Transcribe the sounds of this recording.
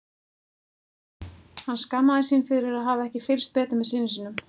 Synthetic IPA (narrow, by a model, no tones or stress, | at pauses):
hanːskamːaðɪsinfɪɾɪɾɪɾaðɦaːvaɛhcɪfɪlst̪̚pɛːt̪ʏmvɛðsɪːnɪsɪnʏm